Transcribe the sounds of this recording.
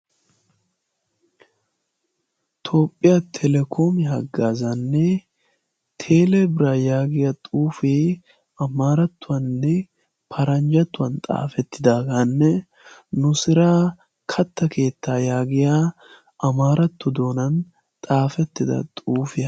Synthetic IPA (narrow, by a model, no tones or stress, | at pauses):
t̪ʰo̞ːpʼːɪjat̪ʰɛlɛkʰo̞ːmɪɦɐɡːaːzɐnːɛ | t̪ʰe̞ːlɛbɪɾaːjaːɡɪjɐt̪ʼuːfeː | ɐmaːɾɐt̪ːʊwɐnːɛ | pʰɐɾɐnd͡ʒɐt̪ːʊwɐnt̪ʼa̰ːfɛt̪ːɪd̪aːɡɐnːɛ | nʊsɪɾaː | kʰɐt̪ːɐkʰe̞ːt̪ːaːjaːɡɪjaː | ʔɐmaːɾʔɐt̪ːʊd̪o̞ːnɐn | t̪ʼaːfɛt̪ːɪd̪ɐ̰t̪ʼuːfɪjɐ